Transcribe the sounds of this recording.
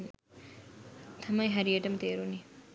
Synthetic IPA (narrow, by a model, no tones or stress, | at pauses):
t̪ʰɐmɐjɦɐɾieʈɐmt̪eːɾuni